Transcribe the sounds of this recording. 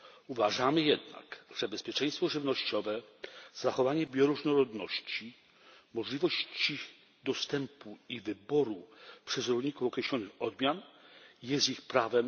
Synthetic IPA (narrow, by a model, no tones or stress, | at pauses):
uvaʐamɘjɛd̪na̰kʐ̥ɛbɛspʲjɛt͡ʂɛ̃j̃st̪fɔʐɘvnɔɕt͡ɕɔvɛzaxɔvaɲɛbʲjɔɾuʐnɔɾɔd̪nɔɕt͡ɕi | mɔʐlʲivɔɕt͡ɕi | d̪ɔst̪ɛmpuivɘbɔɾupʂɛzɾɔlɲikufɔkɾɛɕlɔnɘxɔd̪mʲjanjɛst̪ixpɾavɛm